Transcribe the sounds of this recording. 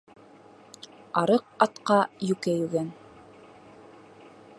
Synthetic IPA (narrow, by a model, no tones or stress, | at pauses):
ɑɾɤq̚ɑt̪qɑjʉkæjʉɡæn